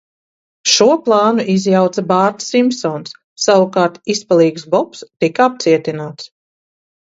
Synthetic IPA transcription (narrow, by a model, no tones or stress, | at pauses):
ʃuɔplˠɑːnuʔizjawt̪sabaːɾt̪simpsɔːnsː | awukaːɾt̪ispalˠiːɡsbɔpst̪ikaap̚t̪siɛt̪inaːt̪s